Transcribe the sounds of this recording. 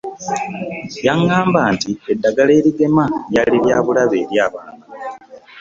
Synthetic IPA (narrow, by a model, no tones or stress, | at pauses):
jaŋaːmbaːntiedːaɡale̞ːɾiɡe̞majaliɾjaːβulaβe̞̰ːɾjaːβaːna